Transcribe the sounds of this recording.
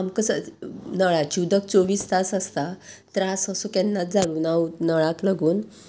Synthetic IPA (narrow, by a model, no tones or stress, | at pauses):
amkəsənəɭat͡ɕud̪ək̚t͡soʋiːst̪asəst̪at̪ɾasəsokɛnːat̪̚d͡zaɽuːnawnəɭaklaɡuːn